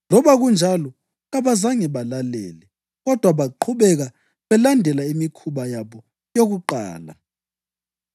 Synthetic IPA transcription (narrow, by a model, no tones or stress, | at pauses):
lɔβaɣund͡ʒʱalɔ | ɣaβazaŋɛβalalɛ̰ːlɛ | ɣɔd̥ʱwaβaǃʰuɓɛɣa | βɛlandʱɛlaimikʰuɓajaβɔ | joɣuǃa̰ːla̰